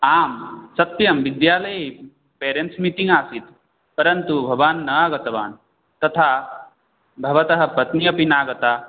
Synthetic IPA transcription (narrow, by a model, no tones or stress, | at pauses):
aːmsɐt̪jɐmʋid̪jaːlɐj | peːɾent̪smit̪iŋɡaːsit̪ | pɐɾɐnt̪ubʱɐʋaːnːɐaːɡɐt̪ɐʋaːn | t̪ɐt̪ʰaː | bʱɐʋɐt̪ɐɦɐ̆pɐt̪nijɐpinaːɡɐt̪aː